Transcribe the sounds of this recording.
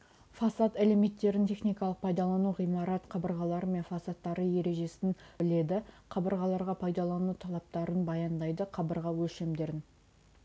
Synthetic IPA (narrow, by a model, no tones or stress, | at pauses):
fɑsɑt̪eleme̞t̪ːe̞ɾɪnt̪ʰʲe̞χnijkɑlˠəq̚pʰɑjd̪ɑlˠɑnuʁijmɑɾɑt̪qʰɑbəɾʁɑlˠɑɾəme̞nfɑsɑt̪ːɑɾəje̞ɾe̞ʒe̞sɪnbɪle̞d̪ɪqʰɑbəɾʁɑlˠɑɾʁɑpʰɑjd̪ɑlˠɑnut̪ʰɑlˠɑp̚t̪ɑɾənbɑjɑnd̪ɑjd̪əqʰɑbəɾʁɑwɵlʃe̞md̪e̞ɾɪn